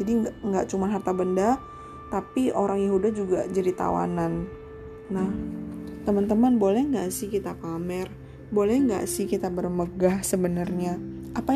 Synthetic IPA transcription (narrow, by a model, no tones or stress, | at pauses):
d͡ʒadiŋɡaʔt͡ʃumanɦart̪abənda | t̪apioɾaŋjeɦudad͡ʒuɡad͡ʒadit̪a̰wa̰nan | naht̪əmant̪əmanbolɛhŋɡaʔsɪhkit̪akamɛr | bolɛhŋɡa̰ʔsɪhkit̪abərməɡahsəbənarɲaʔapa